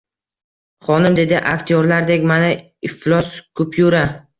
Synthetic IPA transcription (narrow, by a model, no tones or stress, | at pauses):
χɒnɪmd̪e̞d̪ɪʔa̰kʲt̪ʰijɒɾlaɾd̪ekʲmana | ɪflɒskʰʊpʰjuɾa